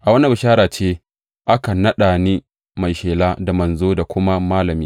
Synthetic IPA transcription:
ʔa˨wɐ˦na˦˨bʊ˨ʃaː˦ɽaː˨t͡ʃeː˦ | ʔa˦ka˨nɐ˦ɗaː˨niː˦ | ma˨jʃeː˨laː˦da˨mɐ˨nzoː˦da˨kʷʊ˦ma˦maː˦lɐ˨miː˦

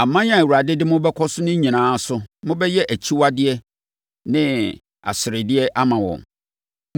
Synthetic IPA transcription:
a˨mã˦ɲ˦ã˨æ˨wu˨ɾa˨dɪ˦dɪ˦mʊ̃˦bɛ˦kʰɔ˦sʊ˦nʊ̃˦ɲĩ˨nãː˨˦sʊ˦mʊ̃˦bɛ˦jɛ˦ʔæ˨t͡ɕʰi˦wa˦dɪ˦ɛ˦ | nɪ̃˦ | a̰˨sɪ˨ɾɪ˨dɪ˦ɛ˦ʔa˦mã˨wɔ̰̃˨m

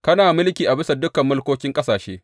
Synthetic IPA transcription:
kɐ˦naː˨mɪ˦lkʲiː˨ʔa˨bɪ˦sa˨dʊ˦kɐ˨mːʊ˦lkʷoː˦kʲɪ˦ŋkʼɐ˦saː˨ʃḛː˦

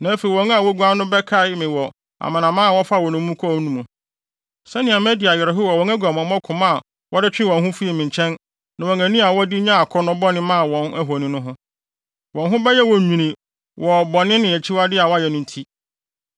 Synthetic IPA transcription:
nã˨˦fe˨i˨wɔ̃˨˦ŋa˨wɔ˦ɡu˨˦a˦nʊ̃˦bɛ˦kʰa˦˨ɪ˦mɪ̃˨wɔ˨ | a̰˨mã˨nã˨mã˦a˨wɔ˦fa˦˨wɔ˨nʊ̃˦mũ˦kʰnũ˦mũ˨ | sɛ˦nɪ̃˨a˨mɛ˦dɪ˨a˨jɛ˨ɾɛ˨ɦʊ˦wɔ˨wɔ̃˨˦ŋæ˦ɡʷu˨a˨mɔ̃˨˦mɔ̃˦kʰʊ̃˨mã˦˨ | wʔɔ˦dɪ˦t͡ɕᶣɪ̃˦wɔ̃˨nɦʊ̃˦fi˦i˨mɪ̃˨ɲ˨t͡ɕʰɛ̃˦n | nã˨wɔ̃˨ŋæ̃˨nĩ˦a˨wɔ˦di˦ɲã˦a˨kʰɔ˦nʊ̃˦bɔ˦nɪ̃˦mã˦˨wɔ̃˨næ˦ɦɔ˨nĩ˦nʊ̃˦ɦʊ̃˦ | wɔ̃˨nɦʊ̃˦bɛ˦jɛ˦wɔ˨ɲᶣĩ˨nĩ˨ | wʔɔ˨bɔ˨nɪ̃˦nɪ̃˨æ˨t͡ɕʰi˦wa˦dɪ˦a˨wɔ˦jɛ˨nʊ̃˦n̩˦tʰi˦

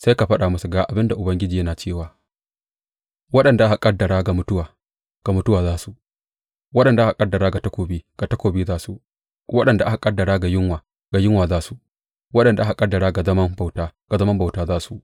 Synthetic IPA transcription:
sa˦jka˨ɸɐ˦ɗaː˨mʊ˦su˨ɡaː˨ʔa˨bɪ˦nda˨ʔʊ˨bɐ˦ŋɡʲɪ˦d͡ʒiː˨jɐ˦naː˨t͡ʃeː˦˨waː˨ | wɐ˦ɗɐ˨nda˨ʔa˦ha˨kʼɐ˦dːɐ˨ɽaː˦ɡa˨mʊ˦tʊ˦waː˨ | ɡ̥a˨mʊ˦tʊ˦waː˨zaː˦su˨ʔ | wɐ˦ɗɐ˨nda˨ʔa˦ka˨kʼɐ˦dːɐ˨ɾaː˦ɡa˨tɐ˦kʷoː˨biː˦ɡ̥a˨tɐ˦kʷoː˨biː˦zaː˦su˨ | wɐ˦ɗɐ˨nda˨ʔa˦ka˨kʼɐ˦dːɐ˨ɽaː˦ɡa˨jɪ˦ŋwaː˨ | ɡ̥a˨jɪ˦ŋwaː˨zaː˦su˨ | wɐ˦ɗɐ˨nda˨ʔa˦ka˨kʼɐ˦dːɐ˨ɽaː˦ɡa˨zɐ˦mɐ˦mba˨wtaː˦ɡ̥a˨zɐ˦mɐ˦mba˨wtaː˦zaː˦su˨

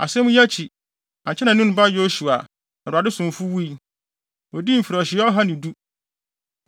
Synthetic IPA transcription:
a̰˨sɛ̃˦mũ˦ja˦t͡ɕʰi˨ | ã˨ɲ˨t͡ɕʰɛ˦nã˨nũ˦n˦ba˦jo˦su˨a̰˨ | ɛ˨ɾa˨dɪ˦sʊ̃˨m˨fu˦wu˦i˦ | ɔ˨di˦m̩˨fi˨ɾɔ˨ɕɪ˨˦ɔ˦ɦã˦nɪ̃˨du˦

